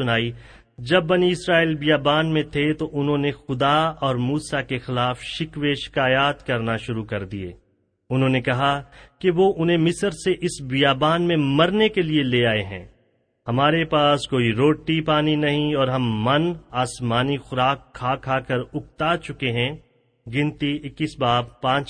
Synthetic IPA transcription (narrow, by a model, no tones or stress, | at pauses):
ʊnaːi | d͡ʒɐbːɐniɪsɾaːiːlbijaːbaːnmẽt̪ʰet̪oʔʊnɦõnexʊd̪aɔːɾmuːsakexɪlaːfʃɪkʋeːʃkaːjaːt̪kɐɾnaʃʊɾukɐɾd̪iḛː | ʊnɦõːnekɐɦakeʋoʔʊnɦẽmɪsəɾseʔɪsbijaːbaːnmẽmɐɾnekelieleaːeɦɛ̰̃ː | ɦɐmaːɾepaːskoːiɾoːʈːipaːninɐɦĩɔːɾɦɐmːɐnaːsmaːnixʊɾaːkʰːaːkʰːaːkɐɾʊk̚t̪aːt͡ʃʊkeɦɛ̃ | ɡɪ̃nt̪iɪkːisbaːb̚pãːt͡ʃ